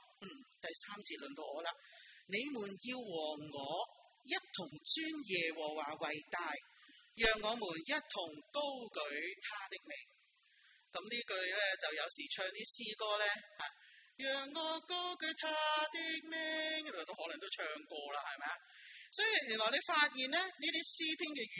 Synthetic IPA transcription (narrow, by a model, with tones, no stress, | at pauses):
m̩˨˩t̪ɐ˨jsaː˥mt͡siː˧t̚lɵ˨nt̪o˧wɔː˨˧laː˧ne˨˧jmuː˨˩njiː˧wːɔː˨˩ŋːɔː˨˧ | jɐ˥t̚t̪ʰʊ˨˩ŋt͡syː˥njɛː˨wɔː˨˩waː˨˩wɐ˨˩jt̪aː˧jjœː˨ŋːɔː˨˧muː˨˩njɐ˥t̚t̪ʰʊ˨˩ŋko˥wkɵ˨˥ɥt̪ʰaː˥t̪ɪ˥k̚mɪ˨˩ŋ | kɐ˨˥mniː˥kɵ˧ɥlɛː˥t͡sɐ˨wjɐ˨˧wsiː˨˩t͡ʃʰœː˧ŋt̪iː˥siː˥kɔː˥lɛː˥haː˨˧˩jœː˨˩ŋːɔː˨˧ko˥wkɵ˨˥ɥt̪ʰaː˥t̪ɪ˥k̚me˨ŋ˨˩t̪o˥whɔ˨˥lɐ˨˩ŋt̪o˥wt͡ʃʰœː˧ŋkʷɔː˧laː˧hɐ˨jmɛː˨˧a˧sɔː˨˥ji˧jyː˨˩nlɔː˨˩ne˨˧jfaː˧t̚jiː˨˩nlɛː˥niː˥t̪iː˥siː˥pʰiː˥nkɛː˧˨